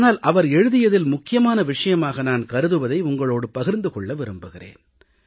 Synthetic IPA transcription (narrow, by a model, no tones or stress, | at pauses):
naːlʔɐʋɐɾɛɻɯðɪjɐðɪlmʊkːɪjɐmaːnɐʋɪʂɐjɐmaːɣɐnaːnkɐɾɯðɯʋɐðɐɪʊŋɡɐɭoːɽɯpɐɣɪɾnd̪ɯkɔɭːɐʋɪɾɯmbɯɣɪrḛːn